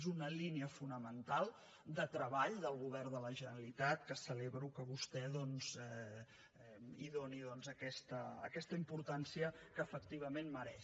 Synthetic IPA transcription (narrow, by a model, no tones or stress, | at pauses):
zunəliniəfunəmənt̪alˠ | d̪ət̪ɾəβaʎd̪əlˠɣuβɛrðələʒənɾəlit̪at̪kəsəleβɾukəβust̪ɛðɔnzɛ | ɛiðoniðɔnzəkɛst̪ə̰ːkɛst̪əimpuɾt̪ansiəkəːfəkt̪iβ̞əmenməɾɛʃ